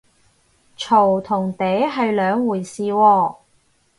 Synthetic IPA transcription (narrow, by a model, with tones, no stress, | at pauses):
t͡ʃʰo˨˩wt̪ʰʊ˨˩ŋt̪e˨˥jɦɐ˨jlœː˨˧ŋwuː˨˩jsiː˨˧wɔː˧